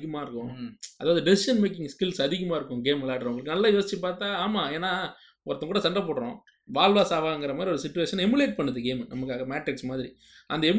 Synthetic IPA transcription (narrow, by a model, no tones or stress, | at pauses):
ɣɐmaːɪɾɯkːʊ̃ɐðaːʋɐðɯɖɪsɪʂɐnmeːk̬ɪ̃ŋɡskɪlsɐðɪɣɐmaːɪɾɯkːʊ̃ɡeːmlaːʈɾʊŋɡɐɭɯkːɯnɐlːaːjoːsɪt͡ʃːɯpaːɾt̪aːaːmaːeːnːaː | ɔɾɐt̪ːɐ̃kuːɽɐsɐɳɖrɐpoːɽɾõ̰ː | ʋaːlʋaːsaːʋaːɛŋɡɪɾɐmaːðɾiɔɾɯsɪt͡ʃːʊʋeːʂɐnɛmʊleːʈ̚pɐɳːɯðɯɡeːmnɐmɐkːaːɣɐmaːʈɾɪksmaːðɪɾi | ʔɐnd̪ɐɛm